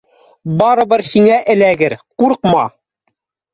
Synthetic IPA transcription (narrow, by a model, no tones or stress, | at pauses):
bɑɾɤ̆bɤɾhiŋæʔɘ̆læɡɘɾquɾqmɑ̰